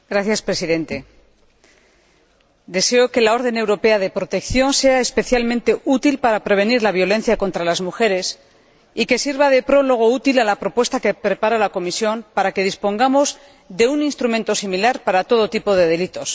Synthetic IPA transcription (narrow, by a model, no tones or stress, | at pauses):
ɡɾaθjaspɾe̞siðẽ̞nt̪e̞ | d̪e̞se̞o̞ke̞lao̞ɾð̞e̞ne̞wɾo̞pe̞aðe̞pɾo̞t̪ekθjo̞nse̞aespe̞θjalmẽnt̪e̞ʔut̪ilpaɾapɾe̞β̞e̞niɾlaβ̞jo̞lẽ̞n̟θjako̞nt̪ɾalazmuxe̞ɾe̞s | ike̞siɾβað̞e̞pɾo̞lo̞ɣ̞o̞ut̪ilalapɾo̞pwe̞st̪ake̞pɾe̞paɾalako̞misjo̞mpaɾake̞ð̞ispo̞ŋɡamo̞z | ðe̞uninst̪ɾumẽnt̪o̞similaɾpaɾat̪o̞ðo̞t̪ipo̞ðe̞ðe̞lit̪o̞s